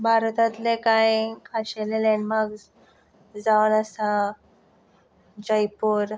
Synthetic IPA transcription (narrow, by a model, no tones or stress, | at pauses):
bʱaɾt̪at̪lekajkʰaɕelelɛɳɖmaɾɡs | d͡zaʋələsa | d͡ʑəjpuːɾ